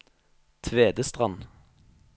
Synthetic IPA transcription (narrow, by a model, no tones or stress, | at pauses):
t̪ʰʋeːd̪əst̪ʁɑn